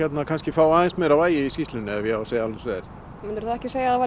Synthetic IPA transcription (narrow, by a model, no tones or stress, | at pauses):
ɛt̪nakʰanscɪfaːwaːðɪnsmɛːɾawvaːjɪiskist̪lʏnɪɛvjɛaaseːjaalʏsveːðɪɾ | mɪnt̪ʏɾθaðɛhcɪseːjaava